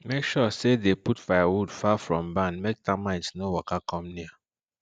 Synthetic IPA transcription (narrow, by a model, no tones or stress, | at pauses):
mekʃɔsedeputfajawudfafɹɔ̃mbãnmek̚tamãɪ̃ntnowɔkakɔmnia